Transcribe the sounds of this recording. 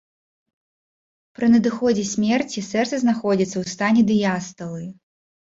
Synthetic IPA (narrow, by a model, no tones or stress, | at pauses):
pɾɨnɐd̪ɨxɔd͡zʲɛsʲmʲɛrt͡sʲisɛrt̪sɐznaxɔd͡zʲit̪sːɐwst̪anʲɛd̪ɨjast̪ɐlˠɨ